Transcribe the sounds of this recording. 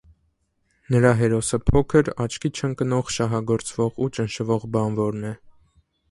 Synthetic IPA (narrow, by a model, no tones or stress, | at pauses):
nəɾɑɦɛɾɔsəpʰɔkʰəɾɑt͡ʃʰkʰit͡ʃʰəŋkənɔʁʃɑɦɑɡɔɾt͡svɔʁut͡ʃənʃəvɔʁbɑnvɔɾnɛ